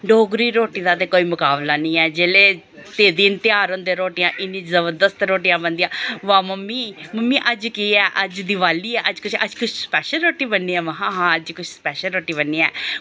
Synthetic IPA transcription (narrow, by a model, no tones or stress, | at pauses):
ɖoːɡɾiːɾoːʈiːd̪aːt̪eːkoːiːmʊkaːblaːnĩːɛːd͡ʒeːleː | t̪eːd̪iːnt̪ɪaːɾə̃nd̪eːɾoːʈijãːʔɪnĩːt͡ʃzəbəɾd̪əst̪ɾoːʈijãːbənd̪ijãːʋãːməmːiːməmːiːʔəd͡ʒkiːɛːʔəd͡ʒd̪iʋaːliːɛːʔəd͡ʒkʊt͡ʃʰə̰d͡ʒkʊt͡ʃʰspɛːʃəlɾoːʈiːbənːiːɛːʋəɦãːɦãːəd͡ʒkʊt͡ʃʰspɛːʃəlɾoːʈiːbənːiːɛː